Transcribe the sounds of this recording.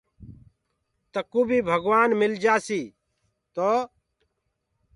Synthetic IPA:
t̪əkuːbʱiːbʱəɡʋaːnmɪld͡ʒaːsiː | t̪oː

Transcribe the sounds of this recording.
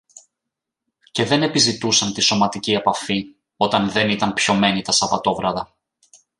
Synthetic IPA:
ce̞ðe̞ne̞pizit̪usɐnt̪iso̞mɐt̪icie̞pɐfi | o̞t̪ɐnðe̞nit̪ɐnpço̞me̞nit̪ɐsɐpɐt̪o̞vɾɐðɐ

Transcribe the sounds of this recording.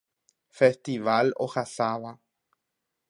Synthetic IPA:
fest̪iʋalo̰hasaʋa

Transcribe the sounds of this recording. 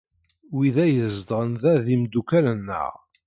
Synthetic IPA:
wiðæjəzd̪ʁənðæðimd̪ukælənːə̰ʁ

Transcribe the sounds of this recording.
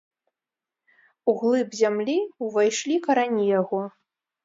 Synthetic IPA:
uɣlˠɨbzʲamlʲiuvajʂlʲikɐɾanʲijaɣɔ

